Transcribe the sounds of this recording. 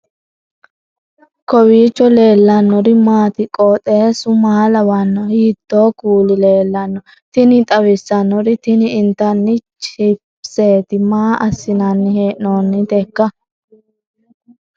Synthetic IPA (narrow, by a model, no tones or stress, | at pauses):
kɔwiːt͡ʃːɔle̞ːlːɐnːɔɾɪmaːt̪ɪkʼoːt̪ʼeːsʊmɐːlɐwɐnːɔhiːd̪̥ːoːkuːlɪle̞ːlːɐnːɔ | t̪ɪnɪt̪ʼɐwɪsːɐnːɔɾɪt̪ɪnɪɪnt̪ːɐnːɪt͡ʃɪp | seːt̪ɪmaːʔɐsːɪnɐnːɪheːʔnoːnːɪd̪ekːɐ